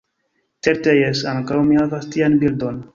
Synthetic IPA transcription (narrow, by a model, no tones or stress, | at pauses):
t͡seɾt̪ejesaŋkawmihavast̪ianbild̪on